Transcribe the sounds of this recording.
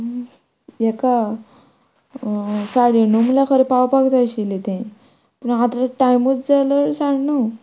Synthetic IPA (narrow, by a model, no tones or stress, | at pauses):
jɛka | saɽinumljakʰəɾepawpaɡt̪aɕilet̪ẽ | pəɳat̪ɾaʈajmut͡sd͡zaləɾsãɳnu